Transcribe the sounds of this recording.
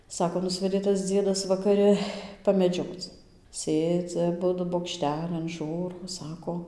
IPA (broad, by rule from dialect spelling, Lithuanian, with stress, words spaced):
ˈsɑːkoː ˈnʊsʲʋʲɛdʲeː tɐs ˈd͡zʲiɛdɐs ʋɐkɐˈrʲɪ pɐmʲɛˈd͡ʒʲoːt͡s ˈsʲeːd͡zʲɪ ɐˈbʊdʊ boːkˈʃʲtʲæːlʲɪn ˈʒuːroː ˈsɑːkoː